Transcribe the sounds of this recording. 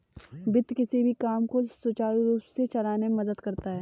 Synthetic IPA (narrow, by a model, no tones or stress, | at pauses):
bɪt̪kɪsibʱikaːmkosʊt͡ʃaːɾuɾuːpset͡ʃɐlaːnemɐd̪əd̪kɐɾt̪aɦɛː